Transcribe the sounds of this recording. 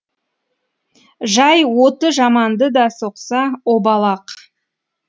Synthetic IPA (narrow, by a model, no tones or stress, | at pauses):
ʒɑjwot̪əʒɑmɑnd̪əd̪ɑso̞qsɑobɑlˠɑq